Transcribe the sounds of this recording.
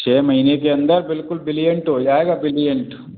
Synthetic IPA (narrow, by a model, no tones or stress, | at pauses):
t͡ʃeːmɐjneːkeɐnd̪ɐɾbilkulbilijɐɳʈojaːɡabɾilijɐɳʈ